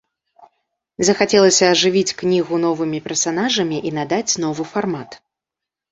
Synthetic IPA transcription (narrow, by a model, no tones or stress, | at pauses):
zɐxat͡sʲɛlˠɐsʲɐːʐɨvʲit͡sʲknʲiɣunɔvɨmʲipʲɛrsanaʐɐmʲiʔinad̪at͡sʲn̪ɔvɨfarmat̪